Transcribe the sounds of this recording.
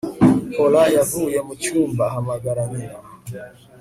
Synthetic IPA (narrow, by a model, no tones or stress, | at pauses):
kɔlajaɦujamut͡ʃumbaɦamaɡaɾamiwa